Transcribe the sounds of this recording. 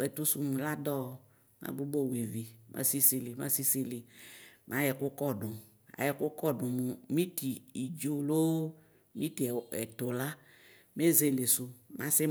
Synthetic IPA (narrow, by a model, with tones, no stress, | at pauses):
ɛ˨tu˦su˨mũ˨la˦dɔ˦˨ | mã̰˦bu˦bo˦˨we˨vi˨mʔa̰˦si˦si˨li˨mã̰˦si˦si˦li˨mã˦jɛ˨kʊ˦kɔ˦˨dʊ̃˨ | a̰˨jɛ˨kʊ˦kɔ˦˨ɖʊ̃˨mũ˨mĩ˦ti˨i˨d͡ʒo˦lo˦ | mĩ˦ti˨ɛ̰˨t̪o˨la˦ | me˦ze˨le˨sʊ˨mã˦sɪ˦